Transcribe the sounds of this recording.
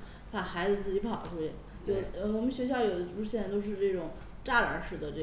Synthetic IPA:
pʰa˥˩xa˧˥ɪd͡zɹ̩˧t͡sɹ̩˥˩t͡ɕi˧˥pʰɑ˨˩ʊ˦ʈ͡ʂʰu˥˩ɛ̰˧˩ | t͡ɕo˥˩ə˩wɔ˨˩mə˦nɕɥɛ˧˥ɕjɑ˥˧ʊjo˨˩jo˥˩ʊ˥ɕjn˥˧˩ɪt̪o˥˧ʊʂ̬ɻ̩˥˧ʈ͡ʂɤ˥˩ʈ͡ʂʊ˨˩˦ŋ | ʈ͡ʂa˥˩lə̰˧˥ʂɻ̩˨˩d̪ə˦ʈ͡ʂɤ˥˩

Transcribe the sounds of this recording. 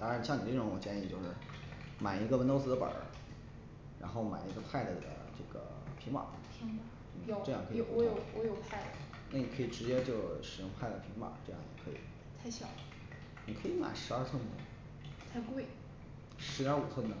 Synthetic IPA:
t̪ɑ˥ŋɻa˧˥nɕjɑ˥˩ŋni˨˩ə˥˩ʊ˧˥ŋwɔ˨˩t͡ɕjɛ˥i˧˩t͡ɕjo˥˧ʊʂɻ̩˥˩ | ma˨˩ɪi˧˥ɡə˧wə˥nt̪o˥t͡sɹ̩˥d̪ə˧pə̰˨˩˥ | ɻa̰˧˥nxo˥˩ʊma̰˨˩ɪi˧˥ɡə˧pʰa˥˩ɪdə˧˩d̪ə̰˩ʈ͡ʂɤ˥˩ɡ̥ə̰˩ | pʰi˧˥ma̰˨˩˦i˧˥ŋm̩˨˩˥ʈ͡ʂɤ˥˧jɑ˥˩ŋkʰɤ˧˥˧wɔ˧˥jo˨˩ʊwɔ˧˥jo˨˩ʊpʰa˥˩ɪ | na˥˩ni˨˩ɤ˧˥i˨˩ʈ͡ʂɻ̩˧˥t͡ɕjɛ˥t͡ɕjo˥˩ʊʂɻ̩˨˩jʊ˥ŋpʰa˥˩ɪd̪ə˨˩pʰi˧˥ŋpa̰˨˩˦ʈ͡ʂɤ˥˧jɑ̰˥˩ŋjɛ̰˨˩kʰɤ˧˥ḭ˨˩ | t̪ʰa˥˩ɪɕjɑ˨˩˦ | ni˨kʰɤ˧˥i˧˥ma̰˨˩ɪʂɻ̩˧˥ə˞˥˧t͡sʰwə˥nə̰˩ | t͡sʰa˥˧ɪkwe˥˩ɪ | ʂɻ̩˧˥˧u˨˩t͡sʰwə˥˩nnə˧˩

